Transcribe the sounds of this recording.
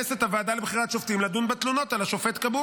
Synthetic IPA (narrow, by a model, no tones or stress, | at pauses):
eset̪havaːd̪alebχiʁatʃoft̪imlad̪unbat̪luno̞t̪alaʃo̞fet̪kabu